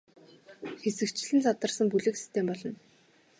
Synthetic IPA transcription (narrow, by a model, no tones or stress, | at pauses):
xesɘ̆kt͡ɕɪ̆ɮɘ̆nt͡sʰɔt̪ə̆rsə̆mpuɮɘ̆ksi̥st̪ʰempɔɮɞ̆n